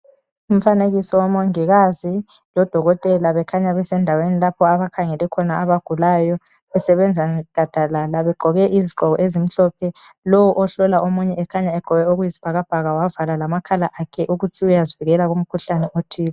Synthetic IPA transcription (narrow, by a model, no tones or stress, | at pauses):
um̩faneɣisɔwamoŋiɣazi | lɔd̥ʱɔɣɔtʼɛlaβɛkʰaɲaβɛsɛndʱawenilapʰɔaβakʰaŋɛlɛkʰɔnaaβaɡ̥ʱulajɔ | ɛsɛβɛnd͡zʱaɡ̥ʱad̥ʱalalaβɛɡ͡ǃʱɔɣɛʔiziɡ͡ǃʱɔɣɔʔezim̩ɬɔpʰɛ | lɔwɔʔɔɬɔlaʔomuɲɛɛkʰaɲaɛǃʱɔɣɛoɣujizi̥b̥ʱaɣab̥ʱaɣawavalalamakʰalaʔakʰɛʔuɣutʰiujaziviɣɛlaɣum̩kʰuɬanɛʔotʰiːla